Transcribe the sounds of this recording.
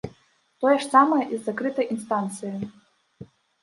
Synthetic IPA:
t̪ɔjɐʂsamɐjɐʔizːakɾɨt̪ɐjʔinst̪ant̪sɨjɪ

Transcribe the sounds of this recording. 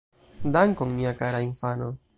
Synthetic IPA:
d̪aŋkoŋmiakaɾainfano

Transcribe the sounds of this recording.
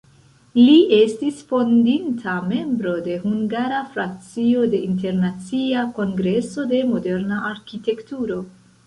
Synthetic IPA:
liʔe̞stisfo̞ndintʰame̞mbɾo̞de̞huŋɡaɾafɾak̚t͡sio̞de̞inte̞ɾnat͡siako̞ŋɡɾe̞so̞de̞mo̞de̞ɾnaʔaɾkite̞ktuɾo̞

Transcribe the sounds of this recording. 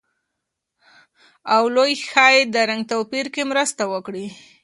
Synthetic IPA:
awlojxɑjed̪əɾaŋɡt̪opiɾkemɾəst̪awəkɽi

